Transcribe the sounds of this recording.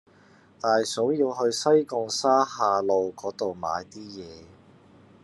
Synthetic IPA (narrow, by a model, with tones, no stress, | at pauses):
t̪aː˨jso˨˥wjiː˧wɦɵ˧ɥsɐ˥jkʊ˨˧ŋsaː˥haː˧lo˨˧wkɔː˨˥t̪o˨wma̰ː˨˧jt̪iː˥jɛː˨˧